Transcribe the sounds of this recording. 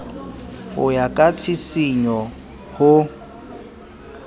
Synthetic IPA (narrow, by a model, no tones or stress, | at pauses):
hʊjakʼat͡sʰisiɲɔ | hʊ